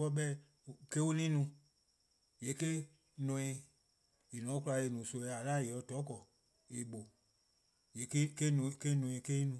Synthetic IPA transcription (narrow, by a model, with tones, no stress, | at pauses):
kɔ˧˦ɓɛ˦˨ | ke˦wo˦nĩ˦nũ˧ | je˨˦ke˦ | nɔ̃˨˧ĩ˧ | i˨nɔ̃˨˦ku˦la˧e˨nũ˨so˧˨ɛ˧˨a˨la˦˨je˨ɔ˧˦tɔ˨˦kɔ˨ | e˨ɓo˨ | je˨ke˦ke˦nũ˧˨ke˦nũ˧ĩ˧˨ke˦i˦nũ˨˦